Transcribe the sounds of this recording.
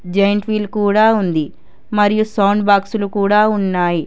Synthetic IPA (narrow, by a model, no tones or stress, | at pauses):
d͡ʒɐjɐɳʈʋiːlkuːɽaːund̪i | mɐɾijusɐwnbaːksulukuːɽaːunːaːji